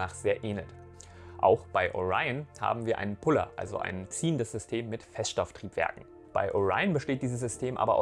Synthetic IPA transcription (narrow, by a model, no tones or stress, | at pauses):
aːχz̥eːɐʔeːnlət | ʔa̰ʊxb̥aɪʔo̰ʁaɪənha̰ːbm̩viːɐʔa̰ɪnənpʰʊlɐ̰ʔa̰lzo̰ʔa̰ɪnt͡siːəndəsz̥ʏstʰeːmːɪtfɛstʃtɔftʁ̥iːpv̥ɛ̰ɐkŋ̩ | b̥a̰ɪʔoʁa̰ɪənbəʃteːt̚d̥iːzəs̬z̥ʏstʰeːmʔa̰ːbɐʔa̰ʊ